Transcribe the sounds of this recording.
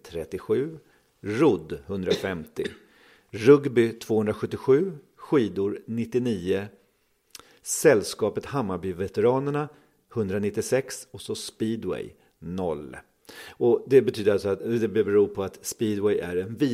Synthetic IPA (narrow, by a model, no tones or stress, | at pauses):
t̪ʰɾɛt̪ːɪɧʉ̟ː | ɾʊd̪hɵnd̪ɾafɛmt̪ɪ | ɾɵɡbɪt̪ʰv̥oːhɵnd̪ɾaɧɵt̪ːɪɧʉ̟ː | ɧiːd̪ʊɾnɪt̪ːɪniːə | sɛlːskɑːpət̪hamːabʏvɛt̪ɛɾɑːnəɳa | hɵnd̪ɾanɪt̪ːɪsɛksɔsɔspiːd̪wɛ̰j | nɔlː | ɔd̪ɛbɛt̪ʰyːd̪əɾalsɔat̪d̪ɛbɛbɛɾuːɾpʰɔat̪spiːd̪wɛjʔæɾɛnviː